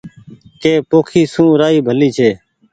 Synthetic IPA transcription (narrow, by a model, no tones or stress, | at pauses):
keːpoːkʰiːsũːɾaːiːbʱəliːt͡ʃʰeː